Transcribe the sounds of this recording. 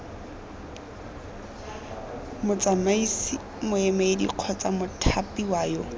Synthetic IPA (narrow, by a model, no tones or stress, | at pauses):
mʊt͡sʼamaisi | mʊɛmaɪdḭq͡χʰɔt͡sʼamʊtʰapiwaːjɔ